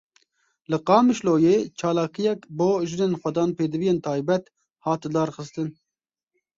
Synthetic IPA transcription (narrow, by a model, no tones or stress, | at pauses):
lɨqɑːmɨʃloːjeːt͡ʃʰɑːlɑːkijɛkboːʒɨneːnxʷɛd̪ɑːnpeːd̪ɨvijeːnt̪ʰɑːjbɛt̪ | hɑːt̪ɨd̪ɑːɾxɨst̪ɨn